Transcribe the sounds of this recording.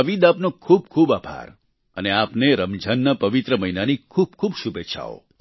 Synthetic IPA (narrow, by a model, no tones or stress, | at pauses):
ʋid̪apnokʰub̚kʰubapa̰ɾ | ə̰neapneɾəmd͡ʒʱənːəpəʋit̪ɾəməɦinanikʰub̚kʰubʃubeʃʰa̰o̰